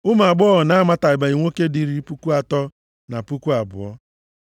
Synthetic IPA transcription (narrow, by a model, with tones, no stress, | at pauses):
ʊ˦m˨a˨ɡ͡bɔ˦ɔ˨na˦ma˦ta˨ɪ˨ba˨i˨ŋʷo˦ke˦di˨ɾi˦pu˦ku˦a˨tɔ˦ | na˨pu˦ku˦a˨bʊ̰˨ɔ̰˦